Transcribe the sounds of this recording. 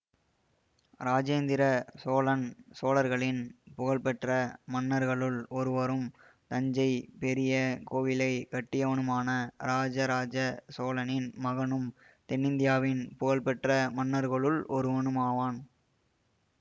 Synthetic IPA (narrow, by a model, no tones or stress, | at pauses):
ɾaːd͡ʒeːnd̪ɪɾɐsoːlɐnsoːlɐɾɣɐɭɪnpʊɣɐɭpɛʈrɐmɐnːɐɾɣɐɭɯɭɔɾɯʋɐɾɯm | t̪ɐɲd͡ʒɐɪpɛɾɪjɐkoːʋɪlɐɪkɐʈːɪjɐʋɐɳɯmaːnɐɾaːd͡ʒɐɾaːd͡ʒɐsoːlɐnɪnmɐɣɐnɯm | t̪ɛnːɪnd̪ɪjaːʋɪnpʊɣɐɭpɛʈrɐmɐnːɐɾɣɐɭɯɭʔɔɾɯɔɳɯmaːʋaːn